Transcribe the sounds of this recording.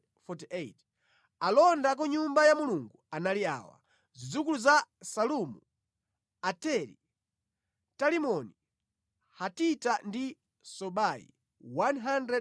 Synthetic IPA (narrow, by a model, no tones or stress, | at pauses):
fɔtiʔet | alɔndak̬ɔɲumbajamuluŋɡuanalia̰ːwa̰ | zid͡zukuluzasalumu | atɛlḭ | talimɔni | hatitandi | sɔɓaḭ | wanɦandɾɛ